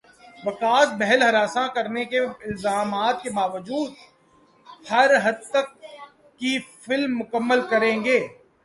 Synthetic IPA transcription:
ʋɐkaːsbɛɦɛlɦɐɾaːsãkɐɾnekeɪlzaːmaːt̪̚kebaːʋəd͡ʒuːd̪̚ | hɐɾɦɐd̪̚t̪ɐkː | ifɪlmːʊkəmːəlkɐɾẽːŋɡeː

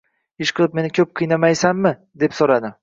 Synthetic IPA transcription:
ɪʃqʰɨlˠɪp̚me̞nɪkʲʰɵp̚qʰɨjnamajsamːɪ | d̪e̞psoɾad̪ɪ

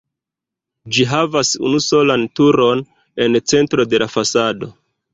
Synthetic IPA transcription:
d͡ʒiɦavasṵnuso̞lantuɾo̞n | e̞nt͡se̞ntɾo̞de̞lafasado̞̰

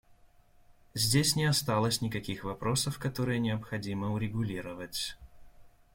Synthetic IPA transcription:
zʲdʲesʲnʲɪɐst̪alˠəsʲnʲɪkɐkʲixvɐpɾo̞səfkɐt̪o̞ɾɨjənʲɪəpxɐdʲiməʊɾʲɪɡʊlʲiɾəvətʲ

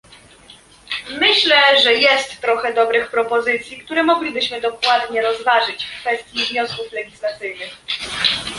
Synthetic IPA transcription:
mɘɕlɛʐɛjɛst̪ːɾɔxɛd̪ɔbɾɘxpɾɔpɔzɘt̪sʲjikt̪uɾɛmɔɡlʲibɘɕmɘd̪ɔkwad̪ɲɛɾɔzvaʐɘt͡ɕfkfɛst̪ʲjivɲɔskuflɛɡʲislat̪sɘjnɘx

